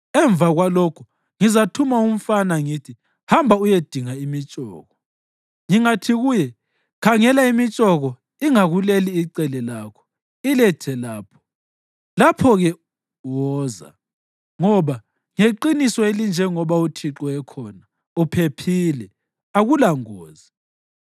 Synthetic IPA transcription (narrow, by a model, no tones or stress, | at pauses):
ɛɱb̪vaɣwalɔkʰu | ŋizatʰumaum̩fanaŋitʰi | hambʱaujed̥ʱiŋaimit͡ʃʼɔ̰ːɣɔ | ŋiŋatʰiɣujɛ | kʰaŋɛlaimit͡ʃʼɔɣɔ | iŋaɣuleliːǀɛlɛlaːkʰɔ̥ | ilɛtʰɛlaːpʰɔ̥ | lapʰɔɣɛ | wɔːza̰ | ŋɔβa | ŋeǃinisɔelind͡ʒʱɛŋɔβautʰiǁɔɛkʰɔna | upʰepʰiːlɛ | aɣulaŋɔːzi